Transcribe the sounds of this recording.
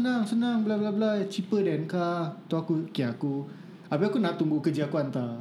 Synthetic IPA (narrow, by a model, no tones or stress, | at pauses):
ənaŋsənaŋbəlablablajt͡ʃipədɛnkat̪uakukiaku | abiakunaʔt̪uŋɡukəd͡ʒiakuant̪a